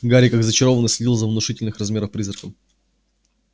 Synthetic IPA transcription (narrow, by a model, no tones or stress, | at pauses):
ɡaɾʲɪkakzət͡ɕɪɾo̞vənəsʲlʲɪdʲilˠzəvnʊʂɨtʲɪlʲnɨxrɐzmʲe̞ɾəfpɾʲizrəkəm